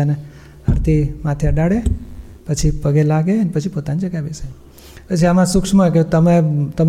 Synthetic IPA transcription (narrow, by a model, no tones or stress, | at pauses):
ane | əɾt̪ʰimãt̪ʰeəɖaɽe | pət͡ʃʰipəɡelaɡeənepət͡ʃʰipot̪anid͡ʒəɡaʋese | pət͡ʃʰiamãsukʂmaket̪əmet̪əm